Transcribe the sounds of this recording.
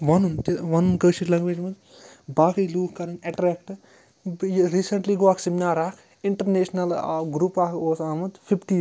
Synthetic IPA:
ʋɐnunt̪eʋɐnunkəːʃiʈlɐ̃ŋɡʋeːd͡ʒmɐd̪ | baːkɐjluːkʰkɐɾɐnɐʈɾeːkʈ | ɾiːsɐɳʈliːɡoːaːksimnaːɾaːkʰ | iɳʈɐɾneːʃnɐl̰ɡɾupaːkʰoːsaːmɐd̪fʰipʈiː

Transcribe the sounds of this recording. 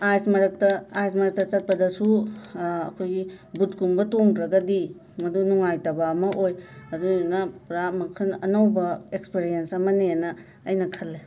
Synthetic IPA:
ajsmɐɾɐk̚tɐajsmɐɾɐk̚tɐt͡ʃɐt̚pɐdɐsu | ɐ̰kʰojɡibut̚kumbɐtoŋdɾɐɡɐdi | mɐdunuŋajtɐbamɐʔojɐdunɐpɾamɐkʰɐnɐnawbɐekspeɾijensɐmɐneɐnɐː | jnɐkʰɐlːe

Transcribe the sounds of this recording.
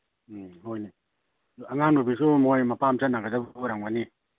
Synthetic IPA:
ɦojni | aŋandubis̬omɔjmapamt͡ʃanaɡadabaɾaŋwani

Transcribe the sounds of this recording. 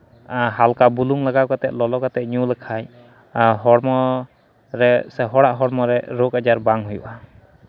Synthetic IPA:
ɦalkabuluŋlaɡaʔkat̪ɛt̪̚lɔlɔkat̪ɛt̪̚ɲulɛkʰaj | ɦɔɽmɔ | ɾɛsɛɦɔɽaʔɦɔɽmɔɾɛɾokad͡ʒaɾbaŋɦujṵʔa

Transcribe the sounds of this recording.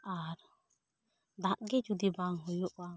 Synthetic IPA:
aɾ | d̪aʔɡɛd͡ʒud̪ibaŋɦɔjɔʔwa

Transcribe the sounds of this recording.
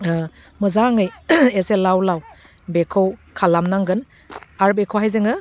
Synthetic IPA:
mɯzaŋɯjeselawlaw | bekʰɯwkʰalamnaŋɡɯn | aɾbekʰowɦajzɯŋɯ

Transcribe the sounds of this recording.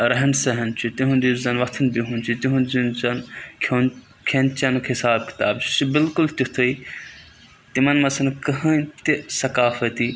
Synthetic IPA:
ɾɐɦɐnsɐɦɐnt͡ʃʰit̪iɦundizɐnʋɐt̪ʰɐnbiɦũnt͡ʃʰit̪iɦũnzinzɐnkʰon | kʰent͡ʃɐnkʰisaːb̚ki̥t̪aːbt͡ʃʰi̥t͡ʃibɪlkʊlt̪ʲit̪ʰui | t̪imɐnmɐsɐnkɐɦɐ̃nt̪isɐkaːfɐt̪iː

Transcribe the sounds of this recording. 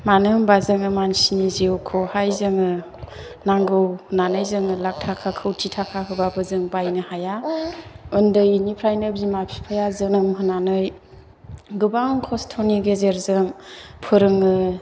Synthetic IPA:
manɯmbazɯŋɯmansiniziwkʰɔhajzɯŋɯ | naŋɡɯwhɯnanɯjzɯŋɯlak̚tʰakʰakʰɯwtʰitʰakʰaɦɯbabɯzɯŋbajnɯhaja | ɯndɯjinipʰɾajnɯbimapʰi̥pʰajazɯnɯmɦɯnanɯj | ɡɯbaŋkʰɔstʰɔniɡezeɾzɯŋpʰɯɾɯŋɯ

